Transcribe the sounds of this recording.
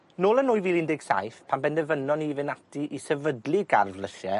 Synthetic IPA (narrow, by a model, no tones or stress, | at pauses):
noːlˠənʊjvilˠɪndɪɡ̥sa̰jfpʰanbɛndɛvənɔnivɪnatiʔisɛvədlˠiɡa̰rvləʃɛ